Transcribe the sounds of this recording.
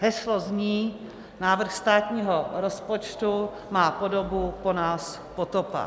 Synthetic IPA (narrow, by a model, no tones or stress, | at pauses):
ɦɛslozɲiː | naːvr̩xst̪aːt̪ɲiːɦoɾospot͡ʃt̪u | maːpodobupo̞naːs | pot̪opa̰